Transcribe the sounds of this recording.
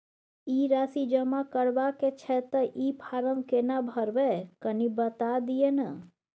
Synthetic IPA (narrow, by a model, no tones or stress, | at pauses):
iɾaːsid͡ʒəmakəɾʋaket͡ʃʰɛt̪əʔipʰaːɾə̃ŋkenabʱəɾʋekənibət̪ad̪ijena̰